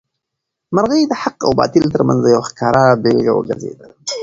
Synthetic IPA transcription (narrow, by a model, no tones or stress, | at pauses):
maɾɣəjd̪əhaqa̰wbɑ̰t̪ɪlt̪əɾmanzajawxkɑɾabelɡa̰wə̰ɡa̰zḛd̪a